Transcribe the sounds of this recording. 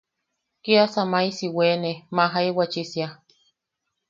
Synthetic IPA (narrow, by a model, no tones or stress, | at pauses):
kiasamajsiweːnemaɦaijwat͡ʃisja